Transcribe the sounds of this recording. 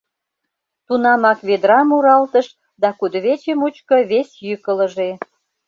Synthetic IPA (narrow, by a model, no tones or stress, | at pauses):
t̪unɑmɑkβed̪ɾɑmuɾɑlt̪əʃ | d̪ɑkud̪əβet͡ɕemut͡ɕkŏβesjykələʒe